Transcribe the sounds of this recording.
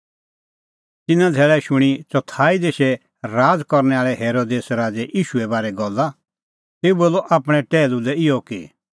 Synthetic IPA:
t̪ɪnãd̪ʱɛːɭɛʃʊɽ̃it͡ʃɔt̪ʰaːid̪eːʃɛ | ɾaːd͡zkɔɾnɛaːɭɛɦeːɾod̪eːsɾaːd͡zɛʔiːʃuɛbaːɾɛɡɔlːa | t̪eːuboːlːɔʔaːpɽ̃ɛ̃ʈɛːlulɛɪjɔki

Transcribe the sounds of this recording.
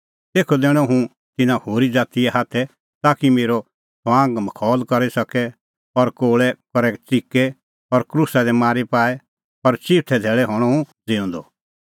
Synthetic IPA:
t̪eːkʰɔd̪ɛːɽ̃ɔ̃ɦũ | t̪ɪnãhoːɾid͡zaːt̪ijɛɦaːt̪ʰɛ | t̪aːkimeːɾɔ | sʰʋãːŋɡməkʰɔːlkɐɾisɐkɛ | ɔɾkoːɭɛkɔɾɛt͡sikɛ | ɔɾkɾusad̪ɛmaːɾipaːɛ | ɔɾt͡ʃiʈʰɛd̪ʱɛːɭɛɦɔɽ̃ɔ̃ũd͡zɪ̃ːʊ̃nd̪ɔ̰

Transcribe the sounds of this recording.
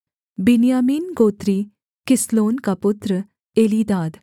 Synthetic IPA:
binjamiːnɡoːt̪ɾiː | kisloːnkaput̪ɾə | eliːd̪aːd̪

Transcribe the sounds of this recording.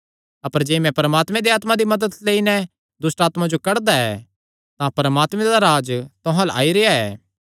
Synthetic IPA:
ɐpəɾd͡ʒeːmɛ̃pɐɾəmaːt̪mɛ̃d̪eaːt̪mãd̪imɐd̪əd̪leinɛ | d̪ʊsʈaːt̪mãd͡ʒokɐɾd̪aɛ̰ː | t̪ãpɐɾəmaːt̪mɛ̃d̪aɾaːd͡ʒt̪ʊ̃ɦãla̰ːiɾeaɛː

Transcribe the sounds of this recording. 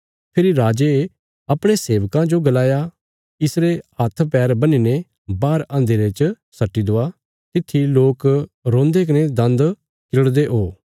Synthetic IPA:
pʰɪɾiɾaːd͡ʒe | ɐpɽ̃eseːʋkãd͡ʒoɡɐlaːja | ɪsɾeat̪ʰpɛːɾbɐnine | baːɾãːnd̪eɾet͡ʃ | sɐʈːid̪oːa | t̪ɪt̪ʰːiloːkɾõːnd̪ek̬ɐned̪ɐ̃nd̪ | kɪɾəɽd̪eʔɦoː

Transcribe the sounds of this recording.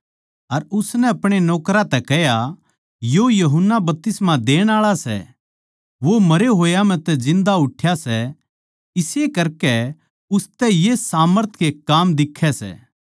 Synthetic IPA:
ɐɾʊsnɛɐpɽ̃enɔːkɾat̪ɛkɛja | jojɐɦʊnːabɐp̚t̪ɪsmad̪eːɽ̃aːɭasɛ̰ | ʋomɐɾeɦoːjam̤ɛ̃t̪ɛd͡ʒɪ̃nd̪aʊʈʰːjasɛ | ɪsekɐɾkɛ | ʊst̪ɛjesaːməɾt̪ʰkekaːmd̪ɪkʰːɛsɛ̰ː

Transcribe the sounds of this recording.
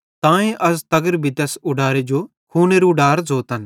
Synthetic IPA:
t̪ãːẽʔɐs̬t̪ɐɡəɾbʱit̪esʊɖaːɾed͡ʒo | kʰuːneɾuɖaːɾzoːt̪ɐn

